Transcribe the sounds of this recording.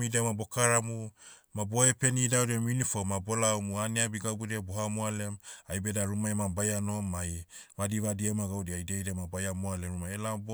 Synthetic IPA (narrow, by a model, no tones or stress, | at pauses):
idemabokaɾamu | maboepenidawɾemunifomabolaomuaneabiɡabuɾeboɦamoalemajbedaɾumaemabajanomːaj | βadiβadiemaɡawdiajdejdemabajamoaleɾumaelab